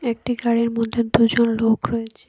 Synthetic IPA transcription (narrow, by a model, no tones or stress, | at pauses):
ek̚ʈiɡaɽeɾmod̪ʱːed̪ud͡ʑonlokɾoet͡ɕʰe